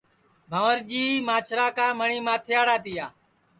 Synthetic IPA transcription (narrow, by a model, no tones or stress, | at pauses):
bʱaːʋəɾd͡ʒiːmaːt͡ʃʰɾaːkãːməɳiːmãːt̪ʰɪjaːɽaːt̪ɪjaː